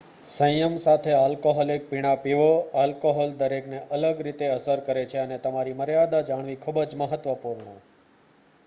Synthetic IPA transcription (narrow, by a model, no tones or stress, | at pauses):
sə̃jəmsat̪ʰealkoɦɔlek̚piɽ̃apiʋoalkoɦɔld̪əɾekneʔələɡɾit̪eəsəɾkəɾet͡ʃʰeənet̪əmaɾiməɾjad̪ad͡ʒaɳ̃ʋikʰubəɾd͡ʒməɦət̪ʋəpuɾɳə